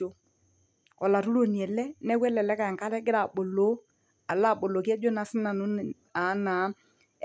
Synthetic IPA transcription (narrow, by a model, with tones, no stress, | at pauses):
o˨ | ɔ˨la˨ɾu˦ɾo˨ni˨ɛ˨lɛ˦nɛ˦wɛ˦lɛ˨lɛ˦ka˨ɛ˨ŋka˦ɾɛ˦ɡɪ˦ɾa˨ɓo˨lo˨˦ | a˨la˦˨ɓo˨lo˨k̬ɛ˦d͡ʒo˦na˨sɪ˦na˨no˦˨ | a˨˦na˨˦